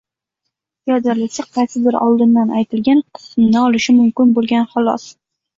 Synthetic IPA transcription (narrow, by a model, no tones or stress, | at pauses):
jɒd̪alɪsɪqʰɑjsɪd̪ɪɾɒ̰lˠd̪ɪnːanʔajt̪ʰɪlɡʲanqʰɨ̥smɪnɪɒlɪʃɪmʊmkʲɪnbolˠɡʲanχɑlˠɒ̰s